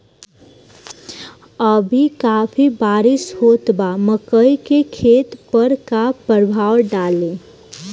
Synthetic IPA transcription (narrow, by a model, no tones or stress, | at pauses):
əbʱikaːpʰibaːɾɪshoːt̪baməkəikekʰeːt̪pəɾkapəɾbʱaːwɖaːlẽ